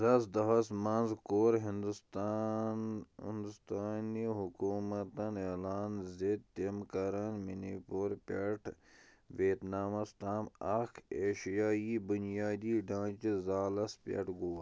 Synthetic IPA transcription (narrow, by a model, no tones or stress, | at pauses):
ɾɐsd̪ɐɦɐsmãːnzkoːɾɦind̪ut̪ː | ɪ̰nd̪ust̪aːniɦukuːmɐt̪ɐneːlaːnzed̪̚t̪emkɐɾanminipoɾpeʈʰ | ʋeːt̪naːmɐst̪aːmɐkʰeːʃijaːiːbʊnijaːd̪iːɖãːt͡ʃizaːlɐspʲḛʈɡoː